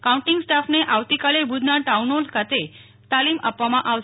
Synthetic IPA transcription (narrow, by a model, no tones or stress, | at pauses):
kaũɳʈɪŋɡsʈafneʔaʋt̪ikalebʱud̪ʱnaʈaunolkʰat̪e | t̪alima̰pʋamãʔaʋʃ